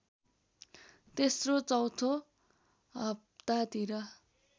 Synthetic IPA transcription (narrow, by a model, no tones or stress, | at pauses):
t̪esrot͡sʌwt̪ʰo | ɦʌb̚t̪at̪iɾʌ